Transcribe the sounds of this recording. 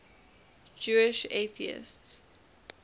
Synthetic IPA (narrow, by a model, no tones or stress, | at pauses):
d͡ʒuɪʃeθiɪ̰sts